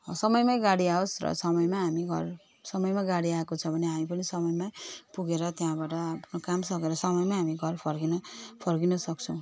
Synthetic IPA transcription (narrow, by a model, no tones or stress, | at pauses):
sʌmʌjmajɡaɽiaosrʌ̰sʌmʌjmaɦamiɡʱʌ̰r | sʌmʌjmaɡaɽiaekot͡sʰʌbʱʌneɦamipʌnisʌmʌjmapuɡeɾʌt̪jãbaʈʌpʰnokamsʌkeɾʌsʌmʌjmaɦamiɡʱʌrpʰʌrɡinʌpʰʌrɡinʌsʌk̚t͡sʰʌw̃